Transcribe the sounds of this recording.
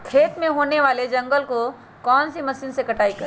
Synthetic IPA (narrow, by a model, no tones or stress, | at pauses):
kʰeːt̪mẽɦoːneʋaːled͡ʒɐ̃ŋɡəlko | kɔːnsimɐsiːnsekɐʈaːikɐɾ